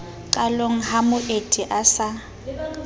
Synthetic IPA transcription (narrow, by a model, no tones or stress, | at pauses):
ǃʼaloŋ̩hamʊʔetʼiʔasa